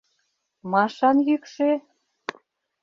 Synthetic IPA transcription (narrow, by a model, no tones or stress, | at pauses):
mɑʃɑnjykʃe